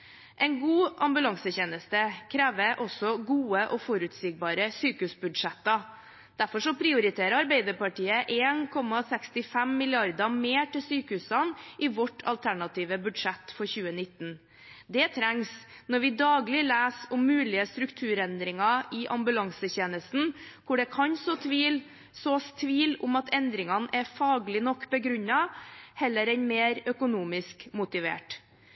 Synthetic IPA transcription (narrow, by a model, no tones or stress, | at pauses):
ʔɛɪnɡuːʔɑmbʉlɑŋsəçeːnəst̪əkʰɾæːʋəʔɔsɔɡuːəʔɔfɔɾʉt̪siːɡ̚bɑːɾəsyːkəʉːsbʉd̪ʂɛt̪ːɑ | d̪̥æɾfɔʂɔpʰɾɪʊɾɪt̪ʰeːɾəɑɾbeɪd̪əɾpɑʈiːəʔeːnkʰɔmɑsɛkst̪ɪfɛmːɪlɪɑɾd̪əmeːʈɪlsyːkəhʉːsɑnʔɪʋɔʈʰɑ̰lt̪ʰæɳɑt̪ʰiːʋəbʉd̪ʂɛt̪ːfɔɾçʉːənɪt̪ːn̩ | d̪ɛt̪ʰɾæŋs | nɔɾʋɪd̪ɑːɡlɪlæːsʊmːʉːlɪəst̪ɾʉkt̪ʰʉːɾɛnd̪ɾɪŋɑʔɪʔɑmbʉlɑŋsəçeːnəst̪n̩kʰʊɖɛkʰɑɲsɔt̪ʋiːl | sɔst̪ʰʋiːlʊmɑt̪ʰɛnd̪ɾɪŋɑnʔɛɾfɑːɡlɪnɔkːbəɡɾʉɲːɑhɛlːəɾɛnmeːɾœkʊnuːmɪskmʊt̪ɪʋḛːʈ